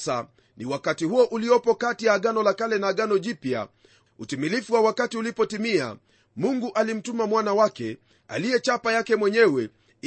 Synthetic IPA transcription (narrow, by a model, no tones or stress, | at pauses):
sa | niwakatihuɔʔuliɔpɔkatijaːɠanɔlakalɛnaːɠanɔʄipja̰ | utimilifuwawakatiulipɔtimia̰ | muŋɡuʔalim̩tumamwanawakɛ | a̰lijɛt͡ʃapajakɛmwɛɲɛwɛ